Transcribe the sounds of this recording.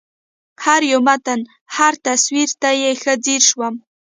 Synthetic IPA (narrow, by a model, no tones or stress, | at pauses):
ħaɾjomatʰan | ħartʰaswirtʰajexʲad͡zirʂwam